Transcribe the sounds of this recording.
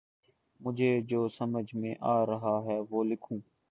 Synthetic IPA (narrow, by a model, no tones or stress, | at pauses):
mʊd͡ʒʱeːd͡ʒoːsəməd͡ʒʱmẽːʔaːɾəɦaːɦɛːʋoːlɪkʰũː